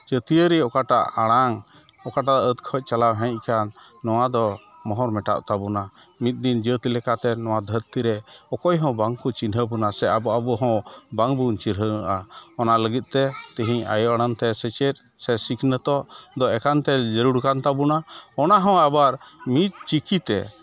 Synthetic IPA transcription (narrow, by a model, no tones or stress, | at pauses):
d͡ʒət̪iəɾiɔkaʈa̰ʔaɽ̃aŋ | ɔkaʈaʔət̪kʰɔc̚ˀt͡ʃalawɦɛ̃ɲc̚ˀkanː | ɔw̃ad̪ɔ | mɔɦɔɾmɛʈa̰ʔ̚t̪abuna | mit̪̚ˀd̪ind͡ʒət̪ilɛkat̪ɛnɔw̃ad̪ʱəɾt̪iɾɛɔkɔjɦɔ̃baŋkut͡ʃinɦəbunasɛababuɦɔ̃baŋbuɲt͡ʃiɾɦəʔaɔnaləɡit̪̚ˀt̪ɛt̪əɦiɲa̰jɔʔaɽ̃ant̪ɛsɛt͡ʃɛt̪̚ | sɛsikʰnət̪ɔʔd̪ɔɛkant̪ɛd͡ʒəɾuɽkant̪abunaɔnaɦɔ̃abaɾmit̪̚t͡ʃikit̪ɛ̰